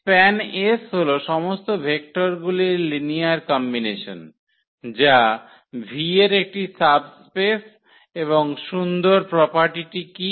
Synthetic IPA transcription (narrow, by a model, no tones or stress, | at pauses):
pɛnesɦoloʃɔmost̪obʱek̚ʈoɾɡuliɾliniaɾkɔmbineʃo̰n | d͡ʑa | bʱieɾek̚ʈisabspes | eβoŋʃund̪oɾpɾɔpaɾʈiʈiki